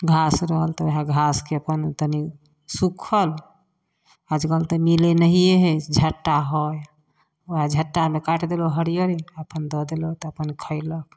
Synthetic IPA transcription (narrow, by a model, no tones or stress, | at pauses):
ɡʱasɾəɦəlt̪ɔeɦaɡʱaskeəpənt̪əni | sukʰəl | ad͡ʒɡəlt̪əmilenəɦijeɦɛd͡ʒʱəʈːaɦɔj | oɦad͡ʒʱəʈːamekaʈd̪eloɦəɾijəɾiəpənd̪ɔd̪elot̪ɔəpənkʰəɪlək̚